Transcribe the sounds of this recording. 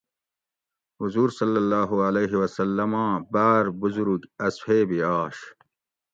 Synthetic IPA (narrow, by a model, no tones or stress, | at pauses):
huzuːɾsɐlːɐlːaːɦuɐleːɦiwɐsɐlːɐmãːbaːɾbuzuɾuɡɐsfeːbiaːɕ